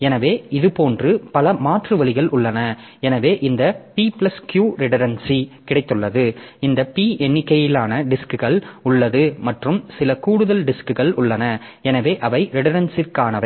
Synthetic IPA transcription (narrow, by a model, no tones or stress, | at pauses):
ɛnɐʋeːɪðɯpoːndrɯpɐlɐmaːʈrɯʋɐlɪɣɐɭʔʊɭːɐnɐ | ɛnɐʋeːʔɪnd̪ɐpiːplɐskjuːɾɪɽɐɾɐnsikɪɽɐɪt̪ːɯɭːɐðɯɪnd̪ɐpiːɛnːɪkːɐjɪlaːnɐɖɪskɯɣɐɭʊɭːɐðɯmɐʈrɯmsɪlɐkuːɽɯðɐlɖɪskɯɣɐɭʊɭːɐnɐɛnɐʋeːʔɐʋɐɪɾɪɽɐɾɐnsɪrkaːnɐʋɐ